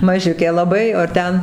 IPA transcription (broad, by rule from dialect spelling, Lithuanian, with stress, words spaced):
mɐˈʒʲʊkʲeː lˠɐˈbɐɪ oː ɐr ˈtʲɛn